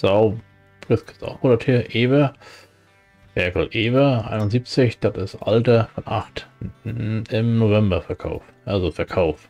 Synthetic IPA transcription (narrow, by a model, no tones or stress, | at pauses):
z̥aʊ | fʁɪskʰɪt͡sa̰ʊxmoatʰeːɐʔeːvɐ | mɛɐkl̩ʔeːvɐʔa̰ɪnʊnziːp̚t͡sɪçd̥atɪstʔa̰ltɐfɔnʔaχt | ɪmnovɛmbɐfɛɐkʰa̰ʊf | ʔalzofɛɐkʰaʊf